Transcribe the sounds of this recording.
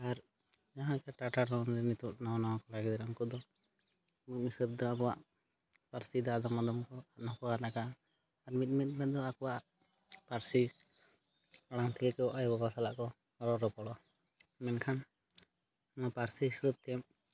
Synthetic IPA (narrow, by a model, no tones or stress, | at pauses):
aɾ | d͡ʒaɦãkaʈaʈaɾɔnd̪ɛnit̪uʔnawanawakɔlaɡɛd̪ɾɔŋkɔd̪ɔ | mit̪̚misəb̚d̪ɔabɔwaʔ | paɾsid̪ɔad̪amad̪ɔmkɔanɔkɔanakaː | ɾmit̪̚ˀmit̪̚mɛd̪ɔakɔwa | paɾsi | aɽ̃aŋt̪ʰɛkɛkɔʔajbɔbasala̰ʔkɔ | ɾɔɾɔpɔɽɔ | mɛnkʰan | mapaɾsissəb̚t̪ɛm